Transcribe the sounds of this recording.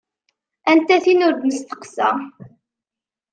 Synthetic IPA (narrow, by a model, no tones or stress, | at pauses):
ænt̪æθinʊɾd̪nəst̪ə̥qsæ